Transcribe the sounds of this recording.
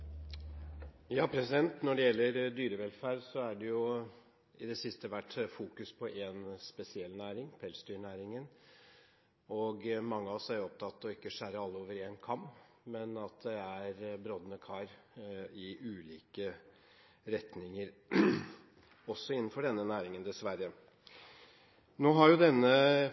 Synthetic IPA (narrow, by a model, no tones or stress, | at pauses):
jɑːpʰɾɛsɪd̪ɛnt̪nɔɖɛjɛlːəɾd̪yːɾəʋɛlfæːɾsɔæɖɛjʊ | ɪd̪ɛsɪst̪əʋæʈːfuːkʉspʰɔʔɛnspɛsɪɛlnæːɾɪŋpʰɛlsd̪yːɳæːɾɪŋən | ɔɡmɑŋːəɑɔsæɾjʊɔp̚t̪ʰɑt̪ːɔɪkːəʂæɾəɑlːəoːʋəɾeːnkʰɑm | mɛnɑt̪̚d̪ɛæɾbɾɔd̪ənəkʰɑɾ | ɪʔʉːliːkə | ɾɛt̪nɪŋəɾ | ɔsːɔɪnːnfɔɖɛnːənæːɾɪŋənd̪ɛsʋæɾə | noːɦɑɾjʊd̪ɛnːə